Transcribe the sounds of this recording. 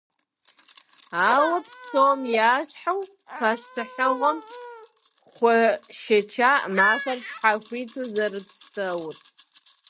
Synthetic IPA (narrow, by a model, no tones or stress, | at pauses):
awapʰsomjaːt͡ʃʰʼħaw | pʰaʃtʰaħawam | χʷaʃat͡ʃʰamaʃarʃħaxʷitʰuzarɨpʰsɨwtʼ